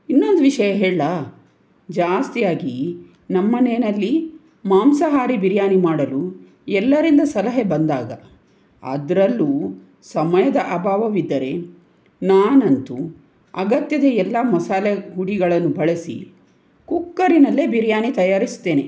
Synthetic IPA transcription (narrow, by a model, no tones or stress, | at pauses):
inːo̞nd̪uʋiʂɐjɐɦeːɭlɐ | d͡ʒaːst̪ijaːɡi | nɐmːɐneːnɐlːi | maːmsɐɦaːɾibiɾjaːnimaːɽɐlu | ɛlːɐɾind̪ɐsɐlɐɦebɐnd̪aːɡɐ̰ | ɐ̰d̪ɾɐlːuː | sɐmɐjɐd̪ɐʔɐbʱaːʋɐʋid̪ːɐɾe̞ | naːnɐnt̪u | ɐɡɐt̪jɐd̪ɐɛlːɐmɐsaːlɐɦuɽiɡɐɭɐnːubɐɭɐsḭ | kukːɐɾinɐlːebiɾjaːnit̪ɐjaːɾisu̥t̪ːe̞ːne̞